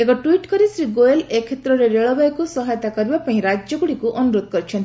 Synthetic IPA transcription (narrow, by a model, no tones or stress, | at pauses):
ekɔʈuiʈkɔɾisɾiɡoelekʰːet̪ɾɔɾeɾeɭɔbajɔkusɔɦajt̪akɔɾibapãĩɾad͡ʒjɔɡuɽikuʔɔnuɾod̪̚ʱkɔɾit͡ʃʰɔnt̪i